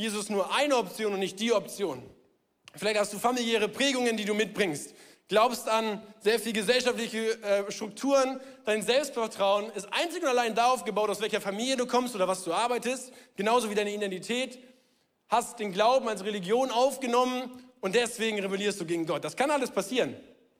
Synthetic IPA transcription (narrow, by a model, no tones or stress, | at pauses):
jeːzʊsstnuːɐʔaɪnəɔpt͡sjoːnʊntnɪçt̚d̥iːɔp̚t͡sjoːn | fɪlaɪçthastd̥uːfamiljɛːʁ̞əpʁ̥ɛːɡʊŋəndiːduːmɪt̚b̥ʁɪŋst | ɡ̥laʊpstanzeːɐfiːlɡəzɛlʃaftlɪçəʔɛːʃtʁ̥ʊk̚tʰuːʁənd̥aɪnzɛlpstfɛɐtʁ̥aʊənɪstʔa̰ɪnt͡sɪçʊntalaɪndaaʊfɡ̥əbaʊtaʊsvɛlçɐfamiːljəduːkʰɔmstʔoːɾɐvasd̥uːaɐbaɪtəstɡ̥ənaʊzoviːdaɪnəidɛntitʰɛːt | hastd̥eːnɡlaʊbm̩alsʁeliɡjoːnaʊfɡ̥ənɔmənʊntd̥ɛsv̥eːɡŋ̩ʁebeliːɐstd̥uːɡeːɡŋ̩ɡɔt̚d̥askʰanʔaləspʰasiːʁən